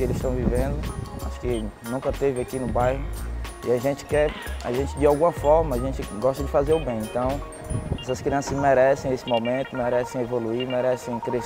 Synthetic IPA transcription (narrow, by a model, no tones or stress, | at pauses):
elɪst̪ɐ̃w̃vivẽnd̪ʊa̰ʃʊ̥kɪnũkɐt̪evɪakinʊbajɦʊiaʒẽnt͡ʃɪ̥kɛa̰ʒẽnt͡ʃɪd͡ʒɪawɡũmɐfɔɾmɐaʒẽnt͡ʃɪɡɔʃt̪ɐd͡ʒɪfazeɾʊbẽj̃ẽnt̪ɐ̃w̃ | ɛsɐskɾiɐ̃sɐzmɛɾɛsẽj̃esɪmomẽt̪ʊmɛɾɛsẽj̃evoluiɾmɛɾɛsẽj̃kɾe